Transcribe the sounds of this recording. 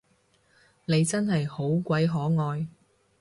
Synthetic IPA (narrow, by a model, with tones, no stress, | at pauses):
ne˨˧jt͡sɐ˥nɦɐ˨jho˨˥wkʷɐ˨˥jɦɔː˨˥ŋɔː˧j